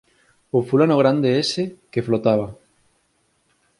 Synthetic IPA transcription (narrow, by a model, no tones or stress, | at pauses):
ofulanoɣ̞ɾand̪eesɪkeflot̪aβa